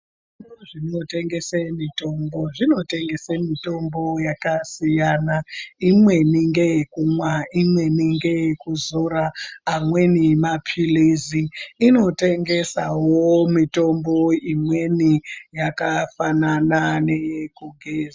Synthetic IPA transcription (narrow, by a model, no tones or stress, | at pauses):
ʐ | innoʐino̞te̞ŋɡe̞semito̞mbo̞ʐino̞te̞ŋɡe̞semito̞mbo̞jakasijanaimwe̞niŋɡe̞jekumwaimwe̞niŋɡe̞jekuzoɾaːmwenimapʰiliziːno̞te̞ŋɡe̞sawomito̞mbo̞imwe̞nijakafananane̞kuɡʱeːza